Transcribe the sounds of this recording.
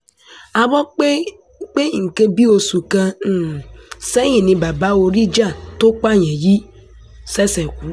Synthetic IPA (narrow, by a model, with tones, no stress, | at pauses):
a˨bɔ˦k͡pe˦ | k͡pe˦˨ŋ̩˨ke˦bi˦o˨su˨ka˦˨ | se˦ɲĩ˨nĩ˨ba˨ba˦o˨ɾi˦d͡ʒa˦˨tʊ˦k͡pa˦ɲe˨ji˦ | se˦se˨kʷu˨˦